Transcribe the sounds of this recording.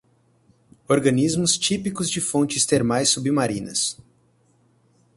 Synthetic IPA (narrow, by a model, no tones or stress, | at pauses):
oɾɡɐ̃nizmʊst͡ʃipikʊzd͡ʒɪfõnt͡ʃɪst̪eɾmajsubimaɾĩnɐ̰s